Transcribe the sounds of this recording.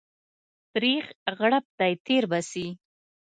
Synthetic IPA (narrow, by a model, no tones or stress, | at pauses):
pɾexɣaɽap̚t̪ajt̪eɾbasi